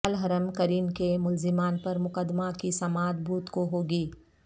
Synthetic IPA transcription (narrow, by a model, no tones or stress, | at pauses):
lɦɐɾəmkɐɾiːnkemʊlzɪmaːnpɐɾmʊkəd̪makisɐmaːd̪̚bʱuːt̪koɦoːɡiː